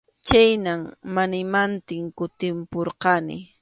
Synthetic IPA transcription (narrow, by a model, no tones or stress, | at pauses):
t͡ʃajnaŋmanɪmant̪ɪŋkʊt̪ɪmpoɾqɑnɪ̰